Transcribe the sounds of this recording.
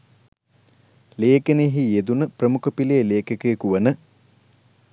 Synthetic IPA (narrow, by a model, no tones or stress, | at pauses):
leːkəneɦijed̪unəprəmukopileːleːkəkekuʋənə